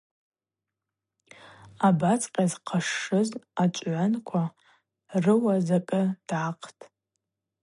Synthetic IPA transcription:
abat͡sʼqʲʼazqʰaʂːɨzat͡ʃʷʼʕʷankʷʰa | rɨwazakʼɨd̥aqʰtʼ

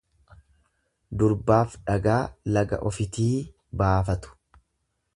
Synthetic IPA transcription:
d̪ʊɾbaːfᶑɐɡaːlɐɡɐ̰ʔɔfɪt̪iː | baːfɐt̪ʊ̥

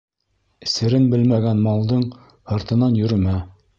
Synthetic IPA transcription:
ɘ̆sɘ̆ɾɘnbɘlmæɡænmɑlˠd̪ɤɴ | hɑɾt̪ɤ̆nɑnjɵ̆ɾɘ̆mæ

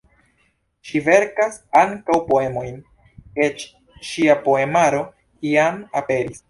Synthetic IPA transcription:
ʃive̞ɾkasaŋkawpo̞e̞mo̞jn | e̞t͡ʃ | ʃiapo̞e̞maɾo̞ | kiamape̞ɾis

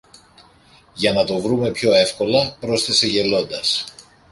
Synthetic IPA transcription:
ʝɐnɐt̪o̞vɾume̞pço̞e̞fko̞lɐpɾo̞st̪e̞se̞ʝe̞lo̞nd̪ɐs

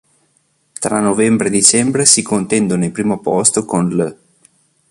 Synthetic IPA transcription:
t̪ɾanːovɛmbɾed̪it͡ʃɛmbɾesikont̪ɛnd̪onelpɾiːmopɔst̪okonlə

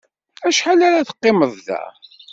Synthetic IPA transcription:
æʃħalaɾaθə̥qːɪməðˤðæ̰

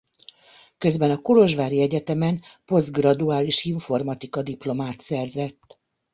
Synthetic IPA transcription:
kø̞zbɛnɒkolo̞ʒʋaːɾiɛɟɛt̪ɛmɛnpo̞zd̪ɡrɒd̪uaːliʃiɱfo̞rmɒt̪ikɒd̪iplo̞maːt̪sɛrzɛt̪ː

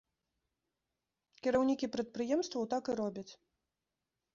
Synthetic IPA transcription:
kʲɛɾawnʲikʲipɾɐt̪̚pɾɨjɛmst̪vɐwt̪akɨɾɔbʲɐt͡sʲ

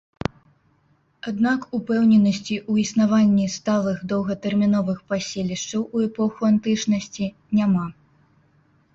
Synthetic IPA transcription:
ad̪nakupɛwnʲɛnɐsʲt͡sʲiʔuisnavanʲːist̪alˠɨxd̪ɐwɣɐt̪ɛrmʲinɔvɨxpasʲelʲiʂt͡ʂɐwuɛpɔxuant̪ɨt͡ʂnɐsʲt͡sʲi | nʲama

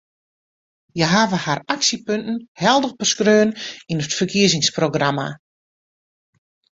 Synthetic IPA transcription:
jəɦaːʋəharaksipøntn̩hɛlˠdəɣbəskrøːəninətfərkʰiəzɪŋsproɡrama̰

